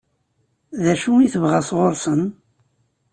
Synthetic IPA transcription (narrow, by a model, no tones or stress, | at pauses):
ðæʃuiθəvʁæsʁoɾsən